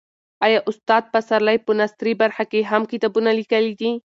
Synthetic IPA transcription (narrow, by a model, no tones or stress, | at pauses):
ɑjɑʔʊst̪ɑd̪̚pasaɾlajpənast̪ɾibaɾxakeɦamkit̪abunalikəlid̪i